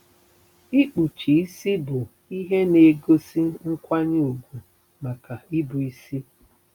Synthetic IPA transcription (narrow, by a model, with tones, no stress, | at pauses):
i˦k͡pu˨t͡ʃi˨i˦si˦bʊ˨ | i˦ɦe˦ne˨ɡo˦si˦ŋ̩˦kʷa˦ɲ˦u˨ɡʷu˨ | ma˨ka˨i˦bʊ˨i˦si˦